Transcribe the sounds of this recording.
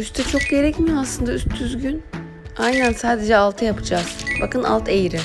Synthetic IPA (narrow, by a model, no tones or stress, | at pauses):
yst̪ʰɛt͡ʃʰo̞k̚ɟe̞ɾɛcmijaslˠɯnd̪ayst̪ʰːyzɟyn | ajnænsaːd̪e̞d͡ʒɛalˠt̪ʰɯjapʰɯd͡ʒaz̥ba̰kɯna̰lˠt̪ʰe̞jiɾɪ